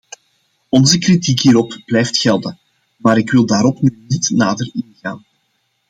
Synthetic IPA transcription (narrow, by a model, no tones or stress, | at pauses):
ɔnzəkritikɦiːɾɔpb̥lɛjftxɛlˠdə | maːɾɪkwɪlˠdaːɾɔpnyːnitnaːdərɪnɣaːn